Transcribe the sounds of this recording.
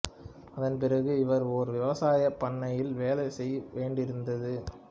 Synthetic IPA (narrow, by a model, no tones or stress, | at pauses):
ɐðɐnp̬ɪrɐɣɯɪʋɐɾɔɾɯʋɪʋɐsaːjɐpːɐɳːɐjɪlʋeːlɐɪsɛjːʋeːɳɖɪɾɯnd̪ɐðɯ